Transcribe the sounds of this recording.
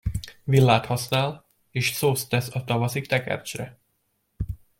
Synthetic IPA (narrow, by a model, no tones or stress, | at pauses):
vilːaːt̪hɒsnaːl | eːʃsoːst̪ːɛsɒt̪ɒvɒsikt̪ɛkɛ̰rt͡ʃrɛ